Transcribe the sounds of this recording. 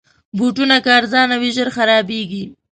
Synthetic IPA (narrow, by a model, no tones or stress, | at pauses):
buʈunakɑɾzɑnawiʒəɾxaɾɑbeɡi